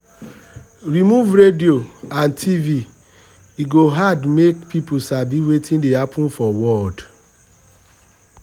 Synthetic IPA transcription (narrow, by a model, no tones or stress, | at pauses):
ɾimuvɾedioãntʰivi | iɡoɦadmekpʰipusabiwetʰĩndehapʰũnfɔwɔd